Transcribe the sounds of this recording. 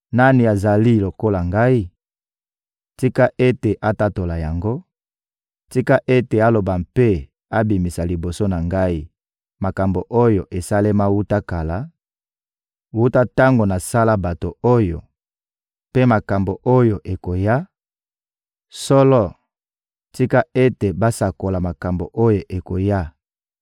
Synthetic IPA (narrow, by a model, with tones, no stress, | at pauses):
na˦ni˨a˨za˨li˦lo˨ko˦la˨ŋɡa˦i˦ | ti˦ka˦ʔe˦te˨ʔa˦ta˦to˨la˨ja˨ŋɡo˦ | ti˦ka˦ʔe˦te˨a˦lo˨ba˨mpe˦ | a˦bi˨mi˨sa˨li˨bo˨so˦na˨ŋɡa˦i˦ | ma˨ka˨mbo˨ʔo˦jo˨ʔe˨sa˦le˦ma˦wu˦ta˦ka˨la˦ | wu˦ta˦ta˦ŋɡo˨na˨sa˦la˦ba˨to˨o˦jo̰˨ | pe˦ma˨ka˨mbo˨ʔo˦jo˨ʔe˨ko˨ja˦ | sɔ˦lɔ˦ | ti˦ka˦e˦te˨ba˦sa˨ko˨la˨ma˨ka˨mbo̰˨ʔo˦jo˨ʔe˨ko˨ja˦